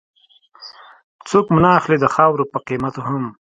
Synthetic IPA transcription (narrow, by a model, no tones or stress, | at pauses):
t͡sokmʊnɑːxlid̪əxɑwɾopəqimat̪oɦʊm